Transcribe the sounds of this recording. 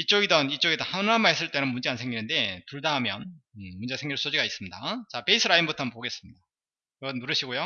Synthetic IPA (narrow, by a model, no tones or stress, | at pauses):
it͡ɕ͈oɡidʌnit͡ɕ͈oɡidʌnhanɯamaɦes̬͈ɯɭt͈e̞nɯnmund͡ʑeansʰe̞ŋɡinɯnde̞tuɭdaɦamjʌnɯmund͡ʑe̞sʰe̞ŋɡiɭs͈od͡ʑiɡais͈ɯmɲidat͡ɕape̞isʰɯɾainbutʰʌammpoɡe̞s͈ɯmɲid̥a | kiɡʌnːuɾɯɕʰiɡojo